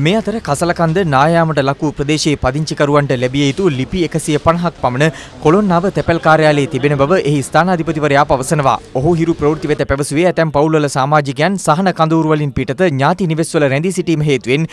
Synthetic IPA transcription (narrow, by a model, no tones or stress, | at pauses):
meːɐt̪əɾəkʰɐsɐlɐkand̪ənaːjaːməʈəlɐkuːpɾəd̪eːʃeːpɐd̪iɲt͡ʃikɐɾuʋaɳʈəlebijejit̪ulipiekəsijəpɐnɐɦɐk̚pɐmɐnə | kolonːaːʋət̪epelkaːɾjaːleːt̪ibenəbɐʋəʔeɦist̪ʰaːnɐːd̪ʱipɐt̪iʋɐɾəjaːpɐʋɐsənəʋa̰ːoɦuɦiɾupɾɐʋɾt̪iʋet̪əpæʋəsuʋeæt̪ɛmpɐwlʋɐlɐsaːmaːd͡ʒikejansaɦɐnɐkand̪uːɾuʋɐlinpiʈɐt̪əɲaːt̪iniʋesʋɐləɾænd̪isiʈiːməɦeːt̪uʋen